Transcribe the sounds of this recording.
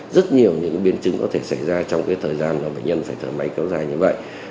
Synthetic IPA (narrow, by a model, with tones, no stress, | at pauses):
zə˦˥t̚ɲi˨˩əwɲɨ̰˧˥ŋɓi˨˦ənt͡ɕɨ˨˦ŋkɔ˨˦t̪ʰe˧˩sa˧˩jzaː˧t͡ɕɔ˧wŋ͡mkaː˨˦jt̪ʰəː˨˩jzaː˧nːɔ˨˦ɓə̰˧˩jɲə˧nfaː˧˩jt̪ʰəː˧˩ma˨˦jka˨˦wzaː˧˩jɲɨ˧və̰˧˨j